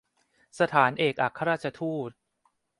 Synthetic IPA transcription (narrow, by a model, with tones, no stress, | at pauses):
sa˧t̪ʰaː˩˦nʔeː˨˩k̚ʔa˨˩kʰːa˧ɾaː˥˩t͡ɕʰa˧t̪ʰuː˥˩t̪̚